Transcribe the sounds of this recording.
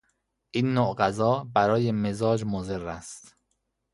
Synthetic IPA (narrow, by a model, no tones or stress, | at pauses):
ʔiːnːoɢæzɒːbæɾɒːjemezɒːd͡ʒmozerːæst̪